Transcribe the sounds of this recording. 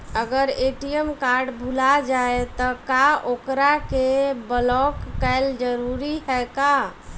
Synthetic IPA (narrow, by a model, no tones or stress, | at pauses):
əɡəɾeːʈijəmkaɾɖbʱulad͡ʒaet̪ɔkaʔokɾakebəlɔkːɛld͡ʒəɾuɾiɦɛka